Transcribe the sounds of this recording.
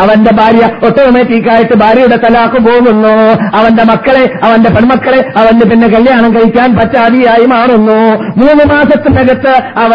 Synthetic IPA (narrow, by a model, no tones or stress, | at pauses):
ɐʋɐnde̞bʱaːɾjɐot̪ːɐʋumeːtːiːkʲːaːjiʈːɨbʱaːɾjɐjuɽe̞t̪ɐlaːkːumboːɣunːuɐʋɐnde̞mɐkːɐɭe̞ɐʋɐnde̞pɐɳmɐkːɐɭe̞ɐʋɐnde̞pinːe̞kɐljaːɳɐŋkɐjikʲːaːnpɐt͡ɕːaːd̪iaːjimaːɳunːumuːnːɨmaːsɐt̪ːɨneɡɐt̪ːɨɐʋɐ